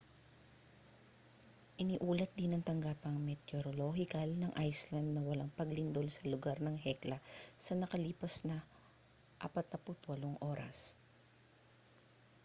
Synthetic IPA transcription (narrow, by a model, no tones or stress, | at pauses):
ʔɪnɪʔuːlɐt̪̚d̪ɪnɐŋt̪ɐŋɡaːpɐŋmɛt̪oɾoloɦɪkɐlnɐŋʔajslɐnd̪̚nɐwɐlaŋpɐɡlɪnd̪olsɐlʊɡaɾnɐŋɦɛklɐsɐnɐkɐliːpɐsnɐ | ʔa̰ːpɐt̪̚nɐpʊt̪wɐloŋʔo̞ːɾɐ̰s